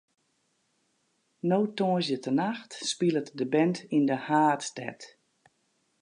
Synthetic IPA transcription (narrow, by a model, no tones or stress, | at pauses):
nowtoːzjətənaxtspilˠətdəbɛntindəhaːtstɛ̰t